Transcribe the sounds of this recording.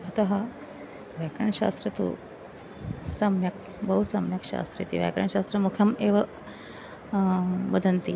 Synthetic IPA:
ɐt̪ɐɦɐ̆ | ʋjaːkɾɐɳɐʃa̰ːst̪ɾɐt̪ṵ | sɐmjɐk̚ | bɐɦusɐmjɐkʃa̰ːst̪ɾḭt̪ḭʋja̰ːkɾɐ̰ɳɐʃaːst̪ɾɐmukʰjɐmeːʋɐ | bɐd̪ʱɐnt̪i

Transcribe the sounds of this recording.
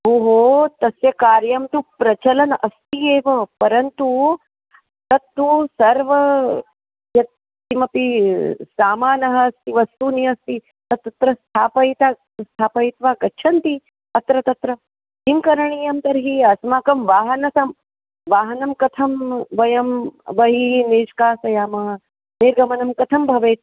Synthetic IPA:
ɦoːɦoːt̪ɐsjɐkaːɾjɐmt̪upɾɐt͡ʃɐlɐnɐst̪ieːʋɐpɐɾɐnt̪u | t̪ɐt̪ːusɐɾʋɐ | jɐt̪ː | imɐpisaːmaːnɐɦɐːst̪iʋɐst̪uniɐst̪i | t̪ɐt̪ɐt̪ɾɐst̪ʰaːpɐjt̪a | st̪ʰaːpɐjt̪ʋaːkɐtːʃʰɐnt̪i | ɐt̪ɾɐt̪ɐt̪ɾɐ | imkɐɾɐɳiːjɐmt̪ɐɾɦiɐsmaːkɐmʋaːɦɐnɐsɐm | ʋaːɦɐnɐmkɐt̪ʰɐmʋɐjɐmʋɐɦineːʃkaːsɐjaːmɐɦɐ | niɾɡɐmɐnɐmkɐt̪ʰɐmbʱɐʋeːt̪

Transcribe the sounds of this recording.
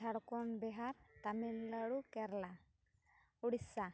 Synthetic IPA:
aɽkɔnbɛɦaɾt̪amilːaɽukɛɾla | uɽisa

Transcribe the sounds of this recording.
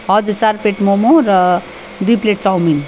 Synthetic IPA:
ʌd̪ut͡saɾpeʈmomoɾʌ | d̪ujpleʈ̚t͡sɔwmin

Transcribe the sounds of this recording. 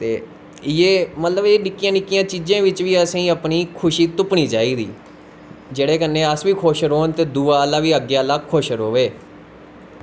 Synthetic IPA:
t̪eː | jeːmət̪ləbeːnɪkːjãːnɪkːɪjãːt͡ʃid͡ʒãːʋɪt͡ʃʋiːəsẽːəpniːkʰʊʃiːt̪ʊpniːd͡ʒaːiːd̪ḭː | d͡ʒeːɽeːkənːẽːəsʋiːkʰoːʃɾɦoːnt̪eːd̪uːaːlaːʋiːəɡjaːlakʰːoʃɾɦoːʋeː

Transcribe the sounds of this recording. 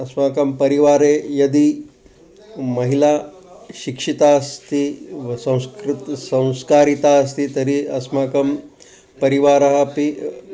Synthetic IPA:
ɐsmaːkɐmpɐɾiʋaːɾejɐd̪i | mɐɦilaː | ʃikʂit̪aːst̪ʰisɐ̃w̃skɾt̪sɐ̃w̃skaːɾit̪as̬t̪ʰit̪ɐɾiɐsmaːkɐm | pɐɾiʋaːɾɐɦɐpi

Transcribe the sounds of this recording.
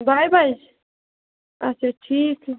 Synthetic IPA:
bʱajbʱajd͡ʒ | ɐtːt͡ʃʰaʈʰiːk

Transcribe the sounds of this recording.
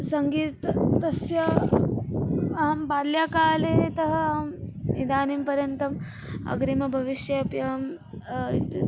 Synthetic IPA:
sɐŋɡiːt̪t̪ɐsjɐ | ɐːɐmbaːljaːkaːleːt̪ɐɦɐ̆amid̪aːnimpɐɾjɐnt̪ɐm | ɐ̰ɡɾimɐbʱɐʋiʃjɐpjɐm̰

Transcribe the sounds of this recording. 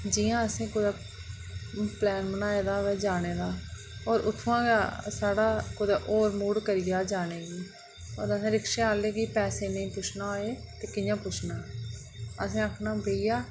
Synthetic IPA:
d͡ʒɪjãːəsẽːkʊd̪eː | plɛːnbənaːeːd̪aːʋeːd͡ʒaːneːd̪aː | oːɾʊt̪ʰːãːɡaːsaːɽaːkʊd̪eʔoːɾmuːɽkəɾɪːjaːd͡ʒaːneːɡiː | o̰ːɾəsẽːɾɪkʃeːaːleːɡiːpɛːseːnəĩːpʊt͡ʃʰnaːɦoːeːt̪eːkɪjãːpʊt͡ʃʰnaː | əsẽːəkʰnaːbeːijaː

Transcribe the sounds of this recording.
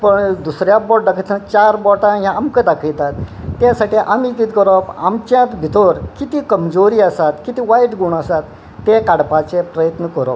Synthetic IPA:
pəɳd̪usɾjabɔʈ̚d̪akʰəjt̪ãt͡ɕaɾbɔʈãjãamkəd̪akʰəjt̪at̪ːjasaʈiʔamit̪iːt̪kəɾɔpa̰mt͡ɕjãt̪bʱit̪oɾkit̪iːkəmd͡zoɾiːasat̪kit̪iːʋajʈɡuɳasat̪ː | ekaɽpat͡sepɾəjət̪nəkəɾɔp

